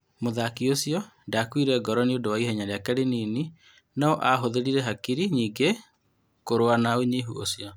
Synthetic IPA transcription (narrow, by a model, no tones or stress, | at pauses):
moðakiosijɔndakwiɾɛɡɔɾɔneodowaihɛɲaɾeakɛɾeniːni | naɔʔaɦoðeɾiɾɛɦakiɾiɲiːŋɡe | koɾowanaoɲeɦṵo̰siɔ